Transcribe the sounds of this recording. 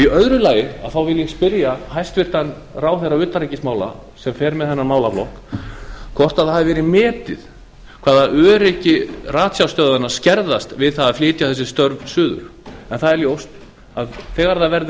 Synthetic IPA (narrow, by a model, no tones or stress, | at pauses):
iœðɾʏlaːjɪa̰ðθawvɪlːjɛspɪɾjaɦajst̪vɪr̥t̪an | raːwθɛraʏːt̪aɾajcɪsmaːwla̰ | sɛmfɛːɾmɛðθɛnːamaːwlaflɔhk | kʰvɔr̥t̪aðhaːvɪvɛːɾɪmɛːt̪ɪð̥ | kʰvaːðaʔœːɾɪhcɪraːt̪sjawst̪œːðanːascɛɾðast̪vɪðθaðaðflɪːt̪jaθɛsːɪ̥st̪œɾvsʏːðʏ̰ɾ̥ɛnθaðɛɾljowst̪ | aðθɛːɣaɾðavɛɾðɪ